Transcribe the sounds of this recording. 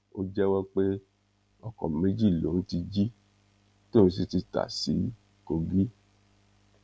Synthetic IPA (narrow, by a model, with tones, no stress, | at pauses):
o˦d͡ʒɛ˦wɔ˦k͡pe˦ | ɔ˨kɔ̰̃˨me˨˦d͡ʒi˦˨lo˨˦n̩˦ti˧d͡ʒi˦ | to˦˨ĩ˧s̬i˧˦ti˧ta̰˨sḭ˨˦ | ko˧ɡi˦